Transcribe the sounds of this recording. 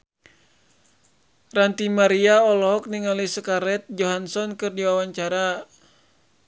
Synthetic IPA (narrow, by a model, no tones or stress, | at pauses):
rant̪imaɾiaɔlɔɦɔk̚niŋalisəkaɾɛt̪̚d͡ʒɔɦansɔnkɨrdiwawaɲt͡ʃaɾa